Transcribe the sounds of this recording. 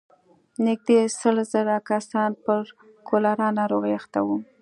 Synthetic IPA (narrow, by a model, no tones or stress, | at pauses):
nɪk̚d̪esəlzəɾakasɑnpəɾ | kʰolaɾɑnaɾoɣəaxt̪a̰wu